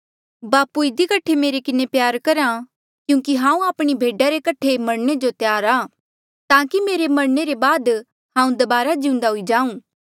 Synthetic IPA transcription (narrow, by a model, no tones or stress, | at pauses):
baːpuɪd̪ikɐʈʰemeːɾekɪnepjaːɾkɐɾã | kjũːkiɦãːũaːpɽ̃ibʱeːɖaɾekɐʈʰemɐɽned͡ʒot̪jaːɾaː | t̪ãːkimeːɾemɐɽneɾebaːd̪ | ɦãːũd̪ɐbaːɾad͡ʒiʊ̃nd̪aɦʊid͡ʒãːũː